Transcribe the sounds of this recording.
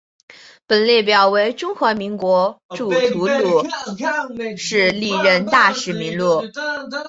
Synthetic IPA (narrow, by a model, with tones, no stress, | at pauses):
pə˨˩nljɛ˥˩p̬jɑ˨˩ʊwe˧˥ɪʈ͡ʂʊ˥ŋxwa˧˥mi˧˥ŋkwɔ˧˥ʈ͡ʂu˨˩t̪ʰu˧˥t͡su˧˨˩ | ʂɻ̩˥˧li˥˩ɻə˥˧nt̪a˥˩ʂɻ̩˨˧˩mi˧˥nlu˥˩